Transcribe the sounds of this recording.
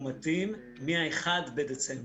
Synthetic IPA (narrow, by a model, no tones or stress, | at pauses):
matimː | iaeχadbedet͡sem